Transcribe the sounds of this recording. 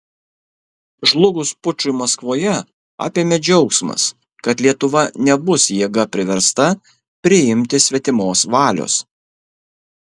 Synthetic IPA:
ʒlˠʊɡʊspʊt͡ʃʲʊɪmɐskʋoːjɛ | ɑ̰ːpʲeːmʲɛd͡ʒʲɛʊksmɐ̰s | kɐt̪lʲiɛt̪ʊʋɐnʲɛbʊsjiɛɡɐpʲɾʲɪʋʲɛɾst̪ɐ | pʲɾʲɪɪmʲt̪ʲɪsʲʋʲɛt̪ʲɪmoːsʋɑːlʲo̰ːs

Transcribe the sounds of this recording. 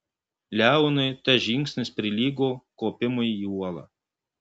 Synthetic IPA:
lʲæˑʊnɐɪt̪ɐʒʲɪŋʲksʲnʲɪspʲɾʲɪlʲiːɡoːkoːpʲɪmʊjijuɔlˠɐ̰ː

